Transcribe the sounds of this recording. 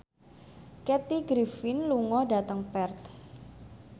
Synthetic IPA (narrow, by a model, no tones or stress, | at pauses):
kɛt̪iɡɾifɪnluŋɔdat̪əŋpɛrt̪̚